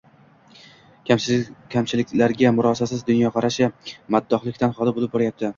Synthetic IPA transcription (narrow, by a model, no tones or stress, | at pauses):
kʲʰamt͡ʃʰɪlɪkʲlaɾɡʲamʊɾɒsasɪzd̪ʊnjɒqʰɑɾaʃɪmad̪ːɒχlˠɪkʲt̪ʰanχɒlˠaɪbolˠɪp̚bɒɾajap̚t̪ʰɪ